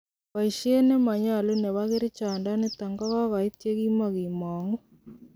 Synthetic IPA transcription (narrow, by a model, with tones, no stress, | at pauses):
βa˨iʃe˦ne˦ma˨ɲa˨lo˦ne˨βaɣeɾe˦t͡ʃa˨nda˦ne˦ta˨ŋɡɔ˦ɣa˦ɣa˨i˦tje˦ɣi˦ma˨ɣi˨mɔ˨ŋɡu˦